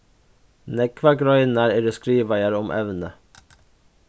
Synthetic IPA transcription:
nɛkʰːvaɡɾɔjnaɾɛɾɛskɾiːvajaɾɔmʔɛ̰vnə

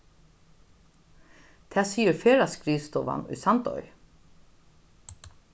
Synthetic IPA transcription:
t̪ʰɛːsiːəɾfeːɾaskɾiːst̪ɔːʋa̰nʊ̰jsant̪ɔ̰ʏ

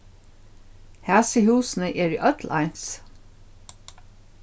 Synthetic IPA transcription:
hæːsəhʉːsn̩əʔeːɹḭːʔœt̪ʰlʔɑ̰ɪns

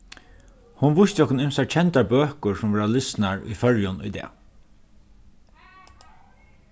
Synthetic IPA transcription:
hʊnʋʊʃt̪ɔkʊnɪmsaɹt͡ʃʰɛnt̪abøːkʊɹsʊmʋɛːɹalɪsnaɹʊ̰jfœɹjʊnʊ̰jd̪ɛ̰ː

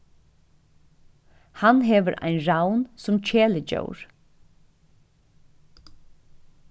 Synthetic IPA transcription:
hanɦeːʋəɾʔa̰ɪnɹawnsʊmt͡ɕʰeːləd͡ʒœ̰ʊɹ

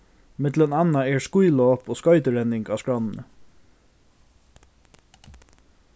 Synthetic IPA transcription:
mɪt̪lənɑnːaɛɹskujlɔːpoːskɔʏt̪əɹɛnːɪŋkɑːskɹanːnə̰

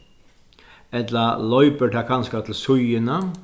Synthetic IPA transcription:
ɛt̪lɐlɔʏpəʈʰɑːkʰɑnskat̪ʰl̩sʊjənə

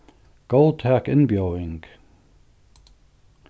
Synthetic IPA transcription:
ɡ̥oʊl̚ˠtʰækɪ̃nbjoʊɪ̃ŋɡ̥

